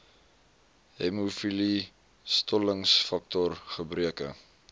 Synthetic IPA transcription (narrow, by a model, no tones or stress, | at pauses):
ɦɛmufili | stɔləŋsfɐk̚tɔrχəbriəkə̰